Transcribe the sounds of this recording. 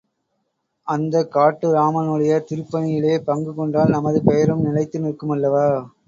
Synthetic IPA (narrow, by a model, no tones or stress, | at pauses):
ʔɐnd̪ɐkːaːʈːɯɾaːmɐnɯɽɐjɐt̪ɪɾɯpːɐnɪjɪleːpɐŋɡɯkɔɳɖaːlnɐmɐðɯpɛjɐɾɯmnɪlɐɪt̪ːɯnɪɾɯkːɯmɐlːɐʋaː